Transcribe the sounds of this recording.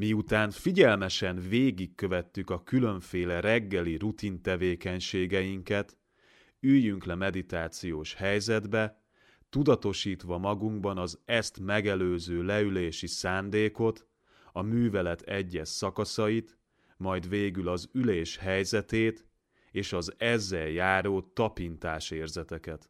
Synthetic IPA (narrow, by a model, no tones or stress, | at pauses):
miut̪aːnfiɟɛlmɛʃɛnveːɡikːø̞vɛt̪ːykɒkylø̞ɱfeːlɛɾɛɡːɛliɾut̪int̪ɛveːkɛɲʃeːɡɛjiŋkɛt̪ | yjːyŋklɛmɛd̪it̪aːt̪sijoːʃhɛjzɛd̪bɛ | t̪ud̪ɒt̪o̞ʃiːt̪ʋɒmɒɡuŋɡbɒnɒzɛst̪mɛɡɛløːzøːlɛyleːʃisaːnd̪eːko̞t̪ | ɒmyːvɛlɛt̪ʰɛɟːɛʃːɒkɒsɒjit̪ | mɒjd̪veːɡylɒzyleːʃhɛjzɛt̪eːt̪ | eːʃɒzɛzːɛjjaːɾoːt̪ɒpint̪aːʃeːrzɛt̪ɛkɛt̪